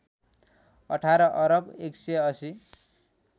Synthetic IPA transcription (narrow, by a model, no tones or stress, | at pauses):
ʌ̰ʈʰaɾʌʔʌɾʌbekseʌsi